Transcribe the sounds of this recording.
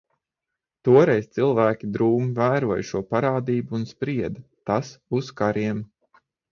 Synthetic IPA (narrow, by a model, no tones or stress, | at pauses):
t̪uɔɾɛjst̪silˠvæːkʲid̪ɾuːmvæːɾuɔjʃuɔpaɾaːd̪iːbuːnspɾiɛd̪t̪asuskaɾiɛm